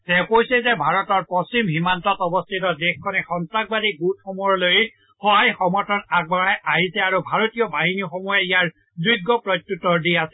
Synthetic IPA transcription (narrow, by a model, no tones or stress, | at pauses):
sɛpojsɛzɛbʱaɹɔtɔɹpɔsimɦimantɔtɔbɔst̪ʰitɔdexkʰːɔnɛxɔntɹak̚badiɡut̚xɔmuloj | xɔɦajxɔmɔɹtʰɔnaɡ̚baɹajʔaɦisɛaɹubʱaɹotijɔbaɦinixɔmujɛijaɹ | duɡːɔpɹɔtjutɔɹdiasɛ̥